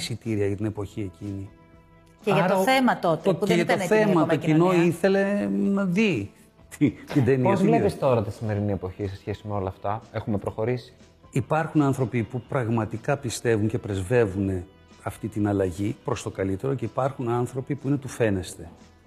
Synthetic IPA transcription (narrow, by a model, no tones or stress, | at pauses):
sit̪iɾiɐʝɐt̪ine̞po̞çie̞cini | ceɐʝɐɾt̪ɐθemɐt̪ot̪eðʝɐt̪oθemɐt̪ocino̞iθe̞le̞nɐði | t̪it̪id̪eniozslepist̪o̞ɾɐt̪isime̞ɾinie̞po̞çisesçesimeo̞lɐːft̪ɐe̞xume̞pɾoxo̞ɾisi̥ | ipɐɾxunɐnθɾo̞pipupɾɐɣmɐt̪ikɐpist̪e̞vuɲce̞pɾe̞zve̞vune̞ | ɐft̪it̪inɐlɐʝipɾo̞st̪o̞kɐlit̪e̞ɾo̞ce̞ipɐɾxunɐnθɾo̞pipuinet̪ufe̞ne̞st̪e̞